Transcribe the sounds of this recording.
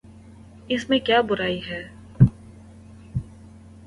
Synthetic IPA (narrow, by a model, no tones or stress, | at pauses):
ɪsmẽkjaːbʊɾaːiɦɛː